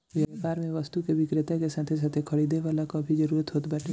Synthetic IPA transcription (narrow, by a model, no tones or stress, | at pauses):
ʋjapaːɾmẽʋəst̪ukeʋɪkɾɪt̪akesaːt̪ʰes̬at̪ʰekʰəɽid̪eʋaːlakɔːbʱid͡ʒəɾuːɾət̪ɦoːt̪bɛːʈʰe